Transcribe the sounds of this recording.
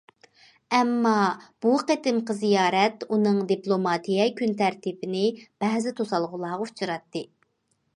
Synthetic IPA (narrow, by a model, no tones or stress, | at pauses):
ɛmːɑb̥uqet̪ɪmqəzijɑːɾɛt̪unɨŋd̪iplˠomɑt̪ʰijɛkʲʰynt̪æɾt̪ibɪnɪb̥ɛɦzɪt̪ʰosɑlˠʁʊlˠɑːʁəut͡ʃʰuɾɑt̪ːɨ